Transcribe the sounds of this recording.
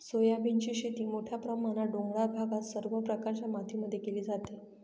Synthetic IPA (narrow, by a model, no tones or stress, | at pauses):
sojabint͡ɕiːɕit̪iːmoʈʰjapɾəmaɽ̃aɖoŋɡɽabʱaɡat̪səɾʋəpɾəkaɾt͡ɕjamat̪ʰiməd̪ʱjekeliːd͡zat̪e